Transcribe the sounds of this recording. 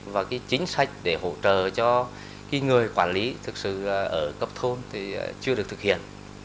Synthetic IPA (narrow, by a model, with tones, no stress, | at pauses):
vaː˨˩kaː˨˦jt͡ɕï˨˦ŋ̟sa˧˥jk̟̚ɗe˧˩ho̰˧˥t͡ɕə̰ː˧˨t͡ɕɔ˧ | kaː˨˦jŋɨ˨˩əjkwaː˧˩nli˨˦t̪ʰɨ˨˩k̚sɨ̰˧˨ʔəː˧˩kə˦˥p̚t̪ʰo˧nt̪ʰi˨˩t͡ɕɨ˧əɗk̚t̪ʰɨ˨˩k̚hḭ˧˨ən